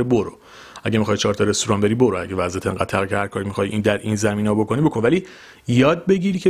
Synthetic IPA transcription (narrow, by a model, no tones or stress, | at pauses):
eboɾo | æɟemixɒːjt͡ʃʰɒːɾt̪ʰɒɾe̞st̪oɾɒnbe̞ɾiːboɾoæɟevæzæt̪ʰḛŋɡæ̰ːd̪t̪ʰæɣicʰehæɾkʰɒːɾimixɒːjʔind̪æɾiːnzæmiːneɒbo̞kʰo̞nibo̞kʰo̞nvæliː | jɒːd̪̚be̞ɟiːɾiːcʰe